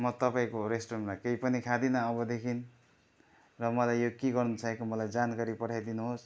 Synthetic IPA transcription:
mʌt̪ʌpaĩkoresʈremlajkejpʌnikʰad̪inʌːbʌd̪ekʰin | rʌmʌlajjokiɡʌrnut͡sʰʌẽkomʌlajd͡zankaɾipʌʈʰajd̪inuɦos

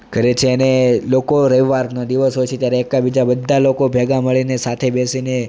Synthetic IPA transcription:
kəɾet͡ʃʰeənelokoɾəiʋaɾnod̪iʋəsɦojt͡ʃʰet̪jaɾeːkabid͡ʒabəd̪ʱːalokobʱɛɡaməɭinesat̪ʰebesine

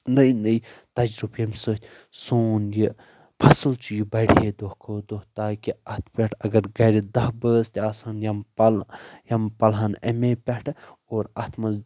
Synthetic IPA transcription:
nɐjnəjt̪ɐd͡ʒɾubjɐmsɨːt̪ʲʰ | soːnji | pʰɐsɨlt͡ʃʰujibɐɽijed̪ohkʰoːd̪oht̪aːkiɐt̪ʰpʲɐʈʰɐɡɐɾɡɐɾid̪ɐɦbəːst̪ʲaːsaːnjɐmpɐljɐmpɐlɦɐnɐmeːpʲɐʈʰoːɾɐt̪ʰmɐz

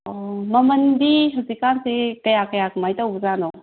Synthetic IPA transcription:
ɔməməndiɦəzikansekəjakəjakmajt̪awzanɔ

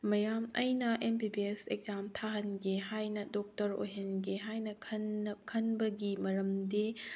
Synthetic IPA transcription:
mɐjamɐjnɐʔempibieseɡ̚zamtʰaɦɐnɡeɦajnɐdɔk̚tɐɾo̰ɦenɡeɦajnɐkʰɐnkʰɐnbɐɡimɐɾɐmdi

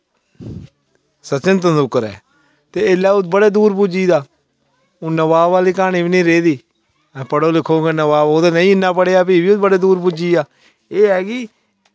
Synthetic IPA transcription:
sət͡ʃɪnt̪̬ənd̪ʊkəɾɛ̰ː | t̪eːɪlaːʊt̪bəɽeːd̪uːɾpʊd͡ʒiːd̪aː | oːnəʋaːaːliːkaːñiːbinĩːɾeːd̪iː | pəɽoːlɪkʰːoːɡeːnəʋaːboːd̪eːnəĩːɪnːaːpəɽeːaːpiːbiːʊt̪̚bəɽeːd̪uːɾpʊd͡ʒiːaː | eːɦɛːkiː

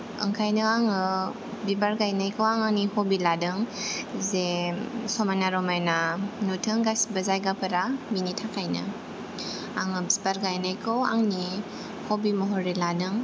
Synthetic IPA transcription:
ɯ̰ŋkʰajnɯaŋɯ | bibaɾɡajnajkʰɯwaŋaŋnihɔbiladɯŋzesɔmanaɾɔmajnanutʰɯŋɡasbəzajɡapʰɯɾaminitʰakʰajnɯ̰ | aŋɯbzibaɾɡajnajkʰɯwa̰ŋni | hobimɔɦɔɾeladɯŋ

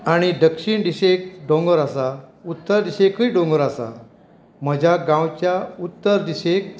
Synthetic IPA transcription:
aɽ̃id̪əkʂiɳɖ̪iɕek̚ɖõŋɡəɾasaut̪ːəɾd̪iɕekəjɖõŋɡəɾasa̰ | m̤əd͡ʑʱaɡãwt͡ɕjaut̪ːəɾd̪iɕek̚

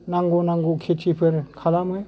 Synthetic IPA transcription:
naŋɡonaŋɡokʰetʰipʰɯɾkʰalamɯj

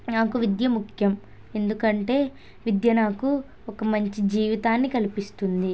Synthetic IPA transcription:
naːkuʋid̪jɐmukʰjɐm | e̞nd̪ukɐɳʈe̞ː | ʋid̪jɐnaːku | ɔkɐmɐɲt͡ʃid͡ʒiːʋit̪aːnːikɐlipist̪und̪i

